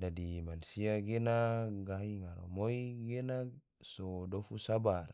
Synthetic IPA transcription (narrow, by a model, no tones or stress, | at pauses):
dadimanusiaɡenaɡaɦiŋaɾo̰moiɡena | sodofusabar